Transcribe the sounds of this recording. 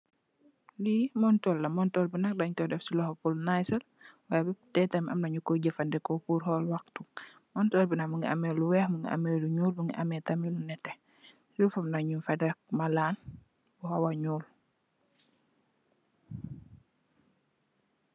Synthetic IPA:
limɔntɔlːamɔntɔlbinak̚daɲkɔdɛfsilɔhpulnajsal | wajabɛtɛtamiʔamnaɲukɔɟəfandɛkɔpuɾhɔlwaktu | mɔntɔːlbinakmuŋɡia̰meluwɛhmuŋɡiʔa̰meluɲuːlmuŋɡiʔamɛtamilunɛtɛ | jufamnaɲufadɛk̚malaːn | bɔhawaɲuːl

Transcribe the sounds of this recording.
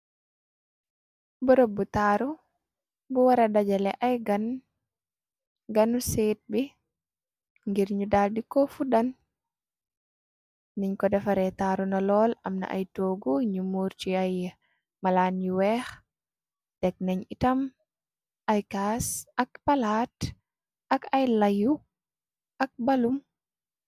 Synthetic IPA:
bɔɾɔbːutaːɾu | buwaɾadad͡ʒɛlɛʔajɡan | ɡanuset̚bi | ŋɡiɾɲudaːldikɔfudan | niɲkɔdɛfaɾɛtaɾunalɔːlɐmna̰ʔa̰jtoːɡuɲumuːɾt͡ʃiaj | malanjuwɛx | d̥ɛk̚naɲitɐm | ʔajkaːsɐk̚palaːt | ʔɐkajlaju | ʔɐk̚balum

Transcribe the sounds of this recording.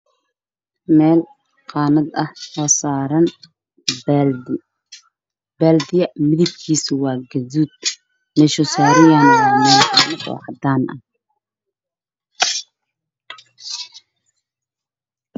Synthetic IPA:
mɛːl | qɑːnɐd̪ɐhɔːsaːɾɐn | baːld̪ɪjɐmɪðɪb̚kʰiːsʊwɑːɡɐðuːd̪̚ | mɛʃʊsaːɾɪjanɔːmaːnkʰɐbɔ̰ːʕɑd̪aːnʔɐ̰h

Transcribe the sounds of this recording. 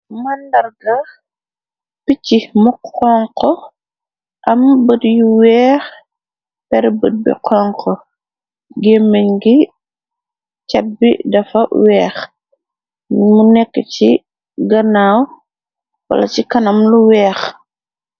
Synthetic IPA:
mɐndɐrɡɐ | picːimukɔːŋkɔ | ʔɐmbədjuwɛːx | pɛɾbəd̚bɛ̰qʰɔŋkɔ | ɡemːəɲɡi | cɐt̚bidɐfɐwɛːx | munɛkːət͡ʃi | ɡɐnaːw | wɐ̰lɐt͡ʃikɐnɐmluwɛːx

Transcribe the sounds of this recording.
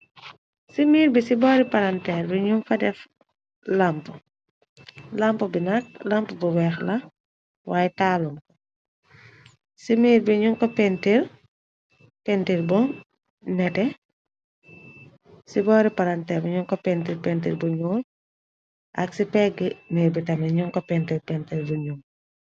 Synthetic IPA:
simiːɾbisibɔːɾipaɾantɛːɾbiɲuŋfɐdɛf | lamp | lampɐbinɐk̚lampubuwɛxlɐ | wʔaːjɛtaːlumkɔ | simiːɾbiɲuŋkɔpɛntiɾ | pɛntiɾbɔ | nɛtɛ | sibɔːɾipɐɾɐntɛbiɲuŋkɔpɛntiɾpɛntiɾbuɲuːl | ʔɐ̰ksipɛɡːəmiːɾbitɐmɛɲuŋkɔpɛntiɾpɛntiɾbuɲuŋ

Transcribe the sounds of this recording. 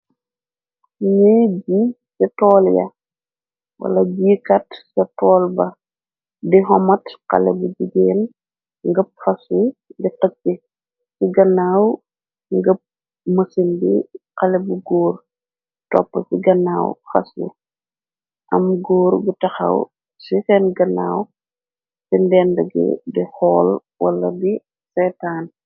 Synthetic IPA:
ɲɛbi | sɐtɔːljɐ̰ | wɐ̰lɐbiːkɐtsɐtɔːlbɐ | diɦɔmɐtqɐ̰lɛbuɟiɡɛːn | ŋɡəp̚fɐsudiqəkːi | siɡɐnːaːw | ŋɡəp̚ | mɐsindiqɐlɛbuɡuːr | tɔ̰pːɐsiɡɐnaːwxɐsṵ | ʔɐmɡoːɾɡutɐxɐ̰w | sixɛnɡɐna̰ːw | sindɛːndɐɡə̰dixɔːl | wɐ̰lːɐ̰di | sɛːtaːn

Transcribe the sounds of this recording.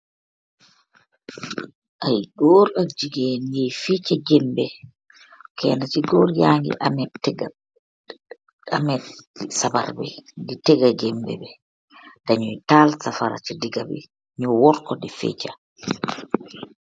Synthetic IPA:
ʔajɡɔɾad͡ʒiɡenjɛjfet͡ʃaɡɛmbɛ | kɛ̰nat͡ʃiɡɔɾjaŋɡḭɛtɛɡ | amɛsaba̰ɾbɛditɛɡaɡɛmbɛ̰bɛ | d̥aɲujtalsafaɾa̰t͡ʃidiɡabɛ̰ | ɲɔwɔɾkɔdifɛ̰t͡ʃa

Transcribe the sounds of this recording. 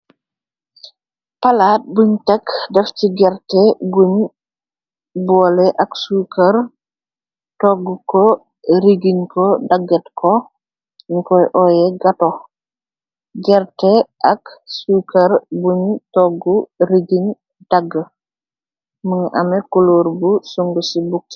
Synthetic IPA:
palaːt̚buɲtɛkdɛfciɡɛɾtɛɡuɲ | bɔːlɛʔɐksukɐr | tɔɡukɔ | ɾiɡinkɔdaɡɛtkʰɔ | nikɔjʔɔjɛɡatɔ | ɡɛɾtɛʔaksukɐɾbuɲtɔɡuɾiɡin | d̥aɡːə | məŋɐ̰mɛkuloːɾbusuŋɡusibuk̚

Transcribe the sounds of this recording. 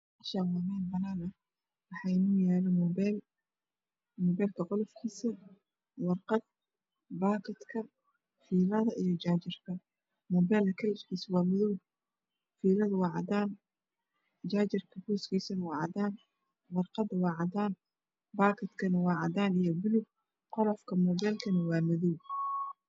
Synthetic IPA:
ɐʃawaːmɛːnbɐnaːnɐ | wɑħɑɪnʊːjɛːlɛmɔbɛl | mɔːbɛːlkʰɐqɔlɔfkʰiːsɐ | wɑrqɑd̪̚ | baːkʰɐd̪kʰɐ | fiːlɐðɐijɞd͡ʒaːt͡ʃɪrkʰɐ | mɔːbɛːlɐkʰɐlɪʃkʰiːswɑːmʊðuː | fiːlɐðʊwɑːʕɑd̪aːn | d͡ʒaːt͡ʃɪrkʰɐbuːskʰiːsɐnɐwɑːʕɑd̪aːn | wɑrqɑd̪ɐwɑːʕɑd̪aːn | baːkʰɐd̪kʰɐnɐwɑːʕɑd̪aːnijɔbʊlʊɡ̚ | qɔlɔfkʰɐmɔːbɛːlkʰɐnɐwɑːmɐðuw

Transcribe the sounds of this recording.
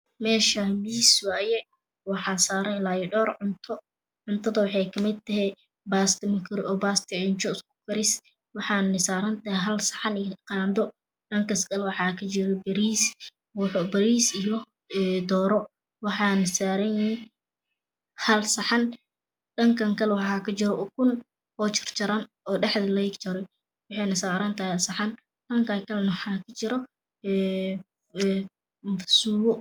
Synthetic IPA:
mɛːʃɐmiːswaːjɛ | wɑħɑːsaːɾɛlaːjɪɖɔːrʕʊnt̪ʰɔ | ʕʊnt̪ʰɐðɐwɑħɑjkʰɐmɪd̪̚t̪ʰːɐɦɛ | baːst̪ɪmɐkʰɪɾɔːbaːst̪ʰɪʕɪnt͡ʃɔskʊ̥kʰɐɾɪs | wɑħɑːnnɪsaːɾɐnt̪ɐɦɛɦɐlsɐ̥ħɑnqɑːnd̪ɔ | ɗɐŋkʰɐskʼɐlwɑħɑːkʰɐt͡ʃɪɾɛbɐɾiːs | wʊħʊbɐɾiːsijɔ | ɛd̪ɔːɾɔ | wɑħɑːnɐsaːɾɐnjɪ | hɐlsɐħɑn | ɗɐŋkʰɐŋkʰɐlɛwɑħɑːkʰɐt͡ʃɪɾɔkʰʊn | hɔːt͡ʃɪrt͡ʃɐɾɐn | ɔːɖɛħd̪ɐlɐɪɡt͡ʃɐɾɔj | wɑħɑjnɐsaːɾɐnt̪ʰaːhsɐħɑn | ɗɐŋkʰɐkʰɐlɛnɐwħɑkʰɐt͡ʃɪɾɔ | ɛ | mfsuːwɔ

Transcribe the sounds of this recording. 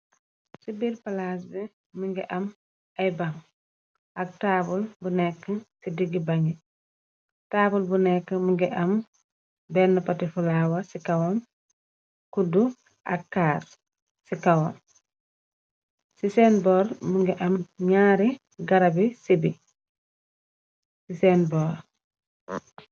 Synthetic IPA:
sibiːɾpalas̬bi | muŋɡɛʔɐm | ɐjbaŋ | ʔɐk̚taːbulbunɛkːəsidiɡibaŋɡi | taːbulbunɛkːəmuŋɡɛʔɐm | bɛnːɐpatifulawasikawɔm | kudu | ʔɐkːaːs | sikawɔm | sisɛːnbɔːɾmuŋɡɛʔɐmɲaːɾi | ɡɐɾɐbisibi | sisɛːnbɔːɾ

